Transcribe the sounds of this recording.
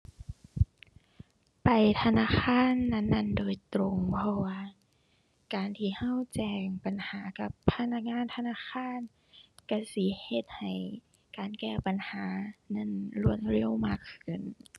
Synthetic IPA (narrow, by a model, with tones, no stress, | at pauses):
pa˨˩jt̪ʰa˧naː˧˥˨xʰaː˧˥˨nːa˧˥˨nːa˧˥˩ndoː˨˩jt̪ɾo˧ŋpʰɔ˧waː˧˨ | kaː˨nt̪ʰiː˧˩ha˧˥˨wt͡ɕɛː˧˩ŋpa˨nhaː˨˦ka˧˦pʰːa˧na˧˥k̚ŋaː˧˥˨nt̪ʰa˧naː˧˥˨xʰaː˧˥˨n | ka˧˩si˧˦he˧t̪̚ha˨˩j | kaː˨nkɛː˧˩pa˨nhaː˨˦na˧˥˨nlu˧˩˨ət̪̚ɾi˧˥˨wmaː˧˥˩kʰːɯ˧˩˨n